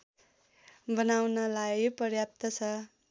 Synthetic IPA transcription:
bʌnawnʌlajpʌrjap̚t̪ʌt͡sʰʌ

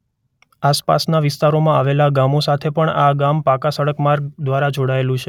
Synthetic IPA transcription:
aspa̰snaʋɪst̪aɾomãaʋelaɡamosat̪ʰepəɳaɡampakasəɽəkmaɾɡ̚d̪ʋaɾad͡ʒoɽaelũt͡ʃʰe

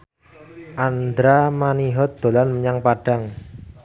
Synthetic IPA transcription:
ʔand̪ɾamaniɦɔt̪̚d̪̥o̤lanməɲaŋpaɖ̥a̤ŋ

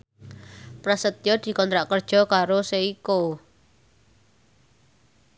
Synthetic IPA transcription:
pɾasət̪jɔd̪̥i̤kɔnt̪ɾaʔkərd̥ʒ̥ɔ̤kaɾoseiko

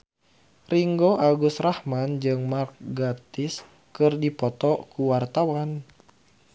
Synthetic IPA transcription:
riŋɡoʔaɡust̪rahmand͡ʒɨŋmark̚ɡat̪is | kɨrdipɔt̪ɔkuwart̪awan

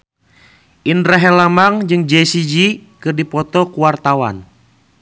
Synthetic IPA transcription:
ʔinɾaɦɛlamaŋd͡ʒɨŋd͡ʒɛsid͡ʒikɨrdipɔt̪ɔkuwart̪awa̰n

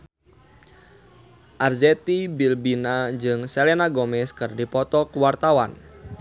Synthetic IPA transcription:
ʔarzɛt̪ibilbinad͡ʒɨŋsɛlenaɡɔmɛskɨrdipɔt̪ɔkuwart̪awan

